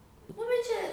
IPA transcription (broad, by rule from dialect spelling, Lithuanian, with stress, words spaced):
ˈnʊ bʲɛt ˈt͡ʃʲɛ